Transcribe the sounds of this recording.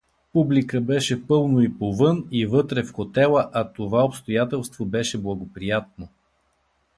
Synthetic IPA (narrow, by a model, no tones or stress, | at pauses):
publikəbɛʃɛpɤlˠnoipovɤnivɤt̪ɾɛfxot̪ɛlˠəʔɐt̪ovaopst̪ojat̪ɛlˠst̪vobɛʃɛblˠɐɡopɾijat̪̚no